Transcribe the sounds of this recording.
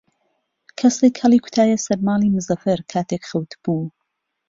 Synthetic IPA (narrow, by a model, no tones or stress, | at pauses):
kʰɐsekhɐlˠiːkʰʊ̥t̪ʰaːjɐsɐɾmaːlˠiːmɨzɐfɐɾkʰaːt̪ʰeːkxɐwt̪ʰb̥uː